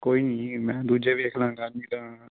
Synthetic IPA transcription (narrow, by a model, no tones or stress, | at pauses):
koːiːnĩːmɛ̃ːd̪uːd͡ʒeːʋeːkʰlãːɡaːniːt̪ãː